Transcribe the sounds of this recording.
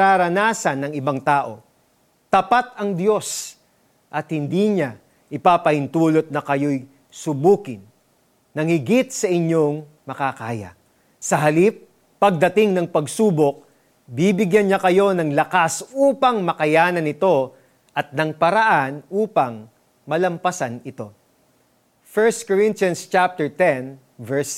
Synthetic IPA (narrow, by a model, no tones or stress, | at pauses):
aːɾɐnaːsɐnːɐŋɪbaŋt̪aːʔo̞ | t̪ɐpat̪̚ɐŋd̪jo̞s | ʔɐt̪hɪnd̪iɲa | ʔɪpaːpɐhɪnt̪uːlot̪̚nɐkɐjo̞j | sʊbuːkɪnː | ɐŋhɪɡɪt̪̚sɐʔɪɲo̞ŋ | mɐkakaːjɐ̰ | sɐɦɐlipː | ɐɡ̚d̪ɐt̪ɪŋnɐŋpɐɡsuːbok̚ | bibɪɡjɐnɲakɐjo̞nɐŋlɐkasuːpɐŋmɐkɐjaːnɐnɪt̪o̞ | ʔɐt̪̚nɐŋpɐɾɐʔanʔuːpɐŋ | mɐlɐmpɐsanɪt̪o̞ | fɛɹst̪̚koɹɪnt̪jɐnst͡ʃap̚t̪ɛɹt̪ɛn | vɛɹs